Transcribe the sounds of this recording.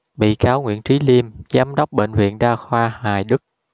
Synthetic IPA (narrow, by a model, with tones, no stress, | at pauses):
ɓḭ˧˨kaː˨˦wŋwḭ˧˨ənt͡ɕi˨˦li˧əmt͡ɕːʔə˨˦mɗa˦˥wk͡p̚ɓḛ˧˨ŋvḭ˧˨ənɗaː˧xwaː˧haː˨˩jɗɨ˦˥k̚